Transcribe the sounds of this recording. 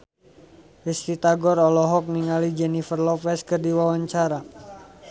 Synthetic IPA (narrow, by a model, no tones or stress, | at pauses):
ist̪it̪aɡɔɾɔlɔɦɔk̚niŋalid͡ʒɛnifərlɔpɛskərdiwawaɲt͡ʃaɾa